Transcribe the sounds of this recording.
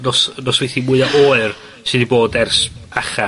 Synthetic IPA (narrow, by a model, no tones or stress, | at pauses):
nɔsnɔsvejθimʊɨaʔoːɨr | sɨdiboːdɛrsaχa